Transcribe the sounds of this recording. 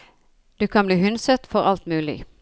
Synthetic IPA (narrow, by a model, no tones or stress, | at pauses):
d̪̥ʉːkʰɑnbliːhʉnsət̪fɔɾɑlt̪mʉːlɪ̰